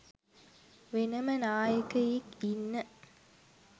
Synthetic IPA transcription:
ʋenɐmənaːjəkɐjekinːə

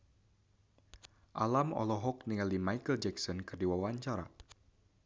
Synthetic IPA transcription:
ʔalamɔ̰lɔɦɔkniŋalimajkəld͡ʒɛksɔnkɨrdiwawaɲt͡ʃaɾa̰

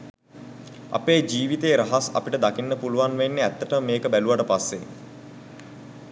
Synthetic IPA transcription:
a̰peːd͡ʒiːʋit̪eːɾaɦasa̰piʈəd̪akinːəpuluʋanʋenːeæt̪ːəʈəməmeːkəbæluʋaʈəpasːḛ

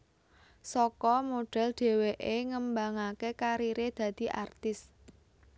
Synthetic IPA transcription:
sɔkɔmoɖ̥ɛ̤ld̪̥e̤weʔeŋəmbaŋakekaɾiɾed̪̥ä̤d̪̥i̤ʔa̰rt̪ɪs

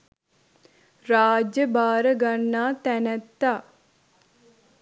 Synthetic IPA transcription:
ɾaːd͡ʒjəbaːɾɐɡɐɳːaːt̪ɛnɐt̪ːa

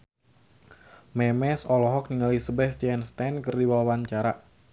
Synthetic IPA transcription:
mɛmɛsɔlɔɦɔk̚niŋalisəbɛsd͡ʒɛnst̪ɛnkɨrdiwawaɲt͡ʃaɾa

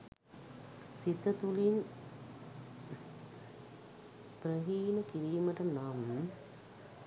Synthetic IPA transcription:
sit̪ːət̪ulin | pɾəɦiːnəkiɾiːməʈənaːm

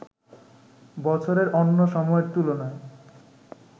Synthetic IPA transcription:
bɔt͡ɕʰoɾeɾʔonːoʃɔmɔeɾt̪ulonae

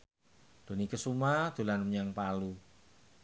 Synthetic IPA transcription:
d̪̥o̤nikəsumad̪̥ṳlanməɲaŋpalu

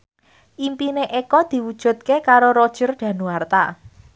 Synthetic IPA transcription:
ʔimpineʔekɔd̪̥i̤wud̥ʒ̥ṳt̪̚kekaɾoɾod̥ʒ̥ərɖ̪̥ä̤nuart̪a

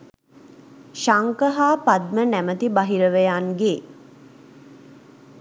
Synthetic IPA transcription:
ʃaŋkəɦaːpad̪̚mənæmət̪ibaɦiɾəʋejanɡe

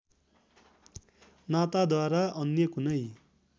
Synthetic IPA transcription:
nat̪ad̪waɾaʔʌnjʌkunʌj

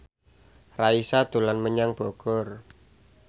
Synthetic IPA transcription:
raisad̪ulanməɲaŋb̥oɡ̥ɔr

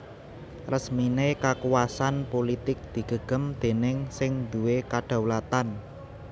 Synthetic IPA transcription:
rəsminekakuwasanpolit̪ɪk̚d̪̥i̤ɡ̥ə̤ɡ̥ə̤md̪̥e̤nɪŋsɪŋd̪̥ṳwekaɖ̪̥a̤wlat̪an

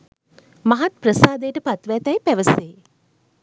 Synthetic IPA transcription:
maɦat̪̚prəsaːd̪ejʈəpat̪ʋæt̪ɐjpæʋəseː

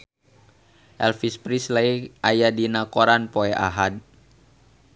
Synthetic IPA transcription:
ʔɛlfispɾislaiʔajadinakɔɾanpoɛʔa̰ɦad̚

